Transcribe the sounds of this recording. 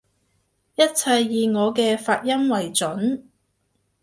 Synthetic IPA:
jɐ˥t̚t͡sʰɐ˧jːiː˧ŋɔː˨˧kɛː˧faː˧t̚jɐ˥mwɐ˨˩jt͡ʃɵ˨˥n

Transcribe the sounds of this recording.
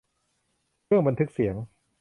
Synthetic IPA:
ɾɯ˥˩əŋba˧nt̪ʰɯ˦˥k̚si˩˦əŋ

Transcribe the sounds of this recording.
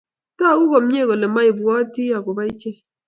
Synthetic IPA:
ta˦˨˦ku˦bɔ˨m˦ɲ˦e˦˨ko˨le˨ma˦i˨bɔ˦ti˦a˨ko˨ba˦i˦t͡ʃe˦

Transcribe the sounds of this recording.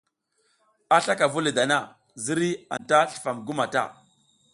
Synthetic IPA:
a˦ɬa˦ka˨vu˦li˨da˨na˦˨ | zi˦ɾi˦a̰˨nta˦ɬə̥˨fa˨mɡu˦ma˨ta̰˦

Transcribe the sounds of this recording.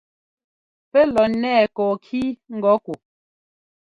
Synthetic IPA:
pɛ˦lɔ˨nɛ˦˨kɔː˨kʰiː˦ŋ̩˦ɡɔ˨˦ku˨

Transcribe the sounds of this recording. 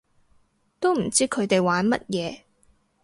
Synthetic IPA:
t̪o˥wm̩˨˩t͡siː˥kʰɵ˨˧ɥt̪e˨jwaː˨˧˥nmɐ˥t̚jɛː˨˧

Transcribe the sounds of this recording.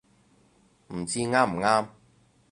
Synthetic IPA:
m̩˨˩t͡siː˥ŋaː˥m̩˨˩ŋaː˥m

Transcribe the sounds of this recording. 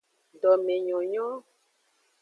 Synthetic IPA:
ɖɔ˨mẽ˨ɲɔ̃˨ɲɔ̃˦

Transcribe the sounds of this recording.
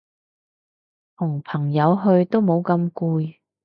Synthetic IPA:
t̪ʰʊ˨˩ŋpʰɐ˨˩ŋjɐ˨˧˥wɦɵ˧ɥt̪o˥wmo˨˧˥wkɐ˧mkuː˧j

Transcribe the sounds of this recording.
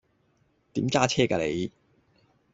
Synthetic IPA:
t̪iː˨˥mkaː˥t͡ɕʰɛː˥kaː˧lḛ˨˧j

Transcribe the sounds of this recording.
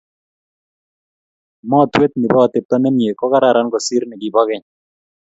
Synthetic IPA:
mɔ˦˨t̪we˦t̪̚nɪ˨bɔː˦˨t̪ɪ˨p̚t̪ɔ˦nɛ˦mje˨kɔ˦ka˦ɾa˨ɾa˦nɡɔ˨si˦ɾnɪ˨ɡɪ˨bɔ˦ɡɪ˦ɲ

